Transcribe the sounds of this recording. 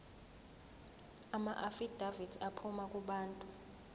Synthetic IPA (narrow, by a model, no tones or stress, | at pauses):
amaʔafid̥ʱavidapʰumakʼuɓaːntʼu